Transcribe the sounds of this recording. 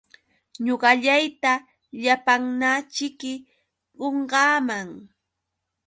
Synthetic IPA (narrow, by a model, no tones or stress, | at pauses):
ɲoɢɑʎajt̪a | ʎapaŋnat͡ʃɪkɪ | ɢoɴɢɑːmaŋ